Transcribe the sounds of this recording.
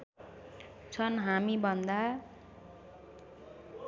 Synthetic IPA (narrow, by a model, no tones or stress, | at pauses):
t͡sʰʌnɦamibʌnd̪a